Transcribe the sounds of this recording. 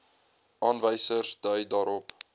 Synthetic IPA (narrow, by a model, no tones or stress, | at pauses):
ʔɑːnvəjsərsdœɥdɑːɾɔp